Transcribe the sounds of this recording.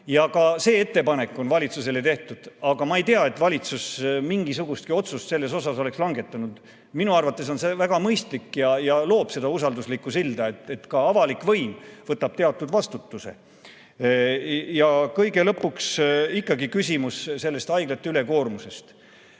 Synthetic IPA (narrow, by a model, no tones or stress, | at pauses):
jɑɡɑse̞ːet̪ːe̞pɑne̞kːˑo̞nvɑlʲit̪sus̬e̞le̞t̪e̞ht̪ud̪̥ɑɡɑmɑejt̪eɑe̞t̪ːˑvɑlʲit̪susmiŋɡ̥isuɡ̥ust̪̚kio̞t̪sust̪se̞lːe̞so̞sɑso̞le̞kslɑŋɡ̥e̞t̪ːˑɑnud̪̥ | minuɑrvɑt̪ːˑe̞so̞nsevæɡ̥ɑmɤjst̪likːjɑjɑlo̞ːb̥se̞d̪̥ɑusɑld̪uslikːˑusild̪ɑet̪et̪kɑɑvɑlikvɤjmvɤt̪ːˑɑb̥t̪e̞ɑt̪ːˑud̪vɑst̪ut̪ːuse̞̰ | jɑkɤjɡe̞lɤpːˑuksikːɑɡikysʲimusse̞lːe̞st̪ɑjɡ̥lɑt̪ːˑeyle̞ko̞ːrmuse̞st̪